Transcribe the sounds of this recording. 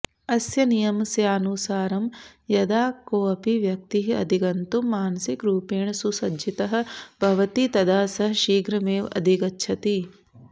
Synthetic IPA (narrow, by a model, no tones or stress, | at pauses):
ɐsjɐnijɐmsjaːnusaːɾɐmjɐd̪aːkoːɐpiʋjɐk̚t̪iɦiɐ̰d̪ʱiɡɐnt̪umːaːnɐsikɾuːpeːɳsusɐd͡ʒit̪ɐɦɐ̆bʱɐʋɐt̪it̪ɐd̪aːsɐɦɐʃiːɡɾɐmeːʋɐ̰d̪ʱiɡɐtːʃʰɐt̪i